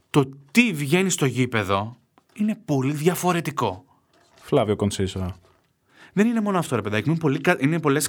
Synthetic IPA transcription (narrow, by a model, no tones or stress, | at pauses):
t̪o̞t̪ivʝe̞nist̪o̞ʝipe̞ðo̞ | ine̞po̞liðʝɐfo̞ɾe̞t̪iko̞ | flɐviokonsisoɐ | ðe̞nine̞mo̞noɐft̪o̞ɾepe̞ðɐcmunpolikɐʔinepo̞le̞s